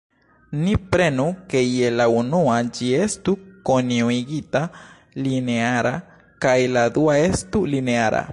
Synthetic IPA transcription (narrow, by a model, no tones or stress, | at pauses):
nipɾenukejelaunuad͡ʒiest̪ukoniuiɡit̪a | lineaɾa | kajlad̪uaest̪ulineaɾa̰